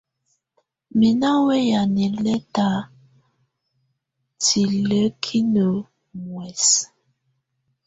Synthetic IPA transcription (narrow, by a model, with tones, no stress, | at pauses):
mi˨na˦we˦ja˨ni˨lɛ˦ta˨ | tʰi˨lə˦kʰi˦nə˨ | ŋwɛ˨s